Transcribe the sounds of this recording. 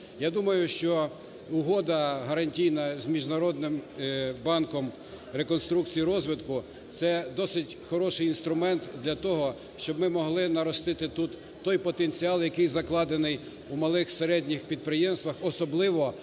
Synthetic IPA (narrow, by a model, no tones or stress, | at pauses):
jad̪umɐjʊʃt͡ʃɔ | uɦɔd̪ɐɦɐɾɐnʲtʲijnɐzmʲiʒnɐɾɔd̪nɪmbɑnkɔm | ɾekɔnst̪ɾukt͡sʲijiɾɔzʋɪt̪kʊ | t̪sɛd̪ɔsɪtʲxɔɾɔʃɪjinst̪ɾʊmɛnt̪d̪lʲɐt̪ɔɦɔ | ʃt͡ʃɔbmɪmɔɦlˠɪnɐɾɔst̪ɪt̪ɪt̪ut̪ːɔjpɔt̪enʲt͡sʲiɑlˠjɐkɪjzɐklˠɑd̪enɪj | umɐlˠɪxseɾɛdʲnʲixpʲid̪̚pɾɪjɛmst̪ʋɐxɔsɔblˠɪʋɔ